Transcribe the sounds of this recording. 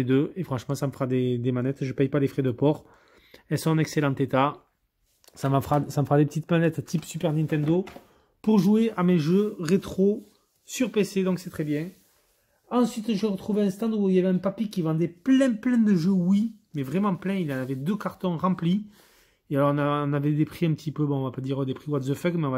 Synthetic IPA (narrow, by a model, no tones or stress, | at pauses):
ed̪øefχɑ̃ʃəmɑ̃saməfəʁad̪ed̪emanɛt̪ʒəpɛjpalefχɛd̪əpɔʁ | ɛlsɔ̃nɛkselɑ̃t̪et̪a | samfʁasaməfəʁad̪epə̥t̪it̪manɛt̪t̪ipsypɛʁnɛ̃nt̪ɛ̃nd̪o | puʁʒueʔameʒøʁet̪χo | syʁpesed̪ɔ̃ksɛt̪χɛbjɛ̃ | ɑ̃sɥit̪ʒəʁət̪χuveɛ̃st̪ɑ̃d̪uiljavɛɛ̃papikʲivɑ̃d̪ɛplɛ̃plɛ̃d̪əʒøwimɛvʁemɑ̃plɛ̃ilɑ̃navɛd̪økaʁt̪ɔ̃ʁɑ̃pli | ealɔʁɔ̃nãːnavɛd̪epχiɛ̃mpət̪ipøbɔ̃ɔ̃vapad̪iʁəd̪epχiwat̪zəfœɡmɛɔ̃v